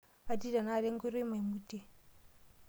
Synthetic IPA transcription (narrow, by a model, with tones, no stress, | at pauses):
a˨di˦da˨na˦˨le˦ŋɡu˦ɾo˦i˦ma˨mu˦tːi˦˨